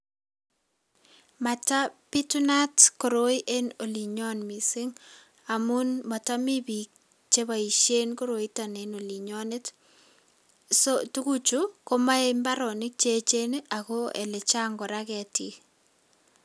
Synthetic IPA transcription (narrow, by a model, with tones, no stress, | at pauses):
ma˨ta˦pi˦tu˦na˦tko˨ɾo˦i˦ʔe˦no˨li˨ɲɔ˦nmi˨sɪ˦ŋ | a˨mu˦nma˨ta˦mi˦bi˨k̚ | t͡ʃe˦ba˨i˨ʃe˦nko˦ɾo˨i˦ta˨ne˨no˨li˨ɲɔ˦nɪ˦t | sotu˦ku˦t͡ʃu˦ko˦ma˦e˦mba˦ɾɔ˨nɪ˦k̚t͡ʃe˦t͡ʃe˦nea˨kɔ˦ɛ̰˨le˨t͡ʃa˦ŋɡɔ˨ɾa˦kɛti˨